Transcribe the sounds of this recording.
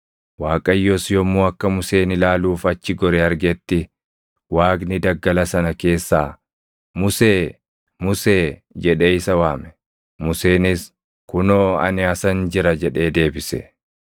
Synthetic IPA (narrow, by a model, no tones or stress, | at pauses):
waːkʼɐjːɔsjɔmːuːɐkːɐmʊseːnɪlaːluːfɐt͡ʃːɪɡɔɾɛɐɾɡɛt̪ːɪ | waːknɪd̪ɐɡːɐlɐsɐnɐke̞ːsːaː | mʊseː | mʊseːd͡ʒɛᶑeɪsɐwaːmɛ̥ | mʊse̞ːnɪs | kʊnoːɐ̰nɪɐsɐnd͡ʒɪɾɐd͡ʒɛᶑe̞ːd̪e̞ːbɪsɛ̰